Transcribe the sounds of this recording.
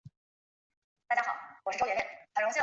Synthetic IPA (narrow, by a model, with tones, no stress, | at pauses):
t̪a˥˩t͡ɕja˥xɑ˨˩˦ʊwɔ˨˩ʂ̩˥˧˥jɛ˧˥jɛ˥˩nxə˨˩nɻʊ˧ŋɕ